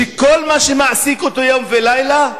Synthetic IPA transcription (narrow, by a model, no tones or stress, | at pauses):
eko̞lmaʃemaʕsikot̪ojomvelajla